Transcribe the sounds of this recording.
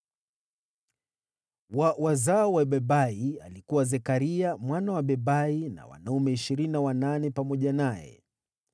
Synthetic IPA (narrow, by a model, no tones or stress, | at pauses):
wawazaɔwaɓɛɓaia̰likuwazɛkaɾiamwanawaɓɛɓaina̰wa̰naumɛiʃiɾiniawananɛpamɔʄanajɛ̰